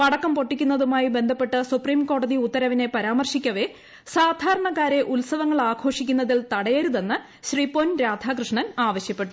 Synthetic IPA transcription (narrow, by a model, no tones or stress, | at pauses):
pɐɽɐkːɐmpo̞ʈːikʲːunːɐðumaːjibe̞nd̪ʱɐpːe̞ʈːɨsupriːmko̞ːɽɐðiut̪ːɐɾɐʋine̞pɐɾaːmɐrʂikʲːɐʋe̞ | saːd̪ʱaːɾɐɳɐkːaːɾe̞ʔulsɐʋɐŋːɐɭaːɡʰʱo̞ːʂikʲːunːɐðilt̪ɐɽɐjɐɾuðe̞nːɨ | ɕriːpːoːnɾaːd̪ʱakrɨʂɳɐnaːʋɐɕjɐpːe̞ʈːu̥